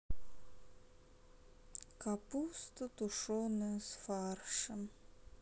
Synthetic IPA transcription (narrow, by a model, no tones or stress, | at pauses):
kapust̪ɨt̪uʂonɨsfarʂɨm